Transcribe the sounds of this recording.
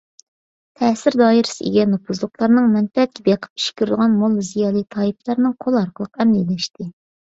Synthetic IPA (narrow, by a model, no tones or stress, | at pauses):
t̪ʰɛsɪɾd̪ɑːiɾɪ̥sɪʔḭɡʲɛnɑpʰuzlˠʊqlˠɑɾnɨŋmɛnfɛɛt̪̚kʲɛb̪eqʰə̥pi̥ʃkʲyɾd̪ɨʁɑnmolˠzijɑːlˠit̪ʰɑiplˠɑɾnɨŋqʰolˠɑɾqəlˠəqɛmlilɛʃt̪ɪ